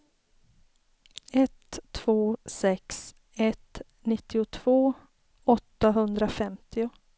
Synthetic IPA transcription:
ɛt̪ʰːv̥oːsɛks | ɛt̪ | nɪt̪ːɪʊt̪ʰv̥oː | ɔt̪ːaɦɵnd̪ɾafɛmt̪ɪʊ

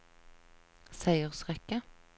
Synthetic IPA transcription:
sæɪəʁsʁɛkə

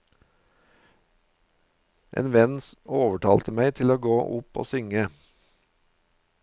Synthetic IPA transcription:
ʔḛːnʋɛnoːʋəʈʰɑːlt̪əmæɪt̪ʰɪloːɡoːʔʊpo̰ːsʏŋə

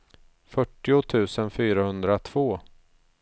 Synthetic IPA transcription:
fœʈːɪʊt̪ʰʉ̟ːsənfyːɾahɵnd̪ɾat̪ʰv̥oː

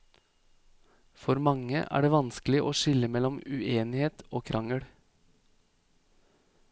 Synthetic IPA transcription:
fɔɾmɑŋə̰ʔæ̰ːɖeːʋɑnsklɪʔo̰ːʃɪləmɛlɔmʉeːnɪheːt̪oːkʰɾʔɑŋəɽ

